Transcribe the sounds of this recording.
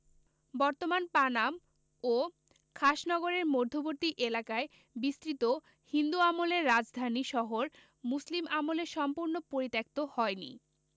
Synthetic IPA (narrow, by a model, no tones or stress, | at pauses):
bɔɾt̪omanpanam | o | kʰaʃnɔɡoɾeɾmod̪ʱːoboɾt̪iʔelakae | bist̪ɾit̪o | hind̪uamoleɾːad͡ʑd̪ʱaniʃɔɦoɾ | muslimamoleɾʃɔmpuɾnopoɾit̪ek̚t̪ohɔenḭ